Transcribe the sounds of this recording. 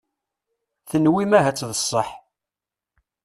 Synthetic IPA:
θənwimæɦæt͡sːðəsˤːəħ

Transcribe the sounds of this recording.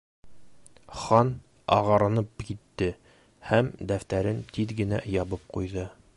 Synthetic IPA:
χɑn | ɑ̰ʁɑɾɑnɤp̚kit̪ːɘ | hæmd̪æft̪æɾɘnt̪iðɡɘ̆næ̰jɒbɤp̚qujðɤ

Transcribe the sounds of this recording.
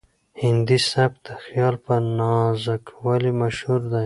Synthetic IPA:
hɪnd̪isab̚d̪əxjɑlpənɑzakʰwalimaʃhuɾd̪a

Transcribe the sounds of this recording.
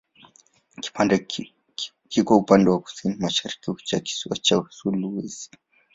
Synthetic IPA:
ki̥pand | kikɔupandɛwaku̥sinimaʃaɾikit͡ʃaki̥swat͡ʃasuluwizi̥

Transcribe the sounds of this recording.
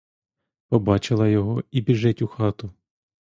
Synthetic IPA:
pɔbɑt͡ʃɪlˠɐjɔɦɔibʲiʒɛtʲuxɑt̪ʊ

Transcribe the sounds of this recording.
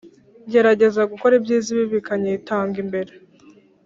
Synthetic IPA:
ɟe̞ɾaɟe̞zaɡuko̞ɾibjiːziβiβikaɲeitaːŋɡimbe̞ɾe

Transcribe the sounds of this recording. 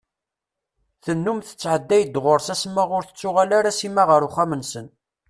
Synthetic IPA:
θənːumθə̥t͡sːʕəd̪ːæjəd̪ʁʊɾsæsəmːəʁʊɾθə̥t͡sːʊʁalaɾæsimæʁəɾʊχæmənsən

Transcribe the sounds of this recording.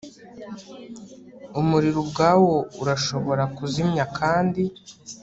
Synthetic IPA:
umuɾiɾubɡaːwo̞uɾaʃo̞βo̞ɾakuzimɲakʰaːndi

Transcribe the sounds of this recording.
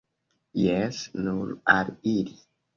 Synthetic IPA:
jɛsnulaɾiɾi

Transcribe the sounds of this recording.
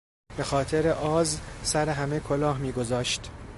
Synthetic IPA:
b̥e̞xɒːt̪ʰe̞ɾe̞ʔɒːzsæɾe̞ɦæmekʰo̞lɒːɦmiːɡo̞zɒːʃt̪

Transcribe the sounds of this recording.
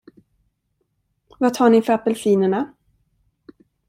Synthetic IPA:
vat̪ʰɑːɳɪfœɾapːɛlfiːnəɳa

